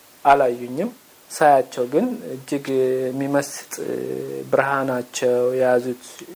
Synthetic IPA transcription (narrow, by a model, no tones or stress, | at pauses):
ʔalajːuɲːɪm | sajat͡ʃːɛwɡɨnɨd͡ʒːɪɡɛmːiməst̪ʼbɨɾhanat͡ʃːɛwjɛjazut̪